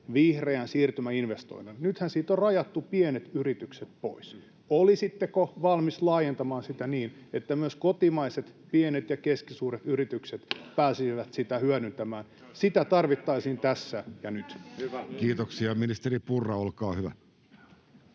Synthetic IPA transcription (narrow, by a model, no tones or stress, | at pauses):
ʋihreænsiːrt̪ymæinʋest̪o̰inilnyt̪hænsiːt̪orrɑjɑt̪ːupienet̪yrit̪ykset̪̚po̰is | olisit̪ːekoʋɑlmislɑːjent̪ɑmɑːnsit̪æniːnet̪ːæmyøskot̪imɑiset̪pienet̪jɑkeskisuːɾet̪yrit̪ykset̪pæːsiiʋæt̪sit̪æhyænynt̪æmæːn | sit̪æt̪ɑrʋit̪ːɑisiːnt̪æsːæjɑnyt̪kiːt̪oksiɑminist̪eripurːɑolkɑːhyʋæ̰